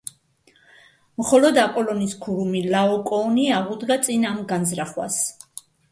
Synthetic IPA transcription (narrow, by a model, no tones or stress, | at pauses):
mχɔlɔd̪apʼɔlɔniskʰuɾumilaɔkʼɔːniaʁud̪ɡat̪sʼinamɡanzɾaχwa̰s